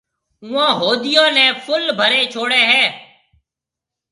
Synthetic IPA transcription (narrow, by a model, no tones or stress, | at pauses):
ʊãːɦoːd̪ɪjãːnɛ̃ːpʰʊlbʱəɾeːt͡ʃʰoːɽeːɦɛː